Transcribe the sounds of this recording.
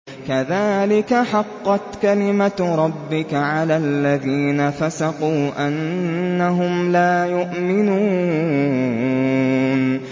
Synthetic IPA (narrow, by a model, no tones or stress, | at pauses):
kaðaːlɪkaħɑqːɑt̪kalɪmaɾˤɑbːɪkaʕalaːlːaðiːnafasɑquːʔanːaɦʊmlaːjʊʔmɪnuː | n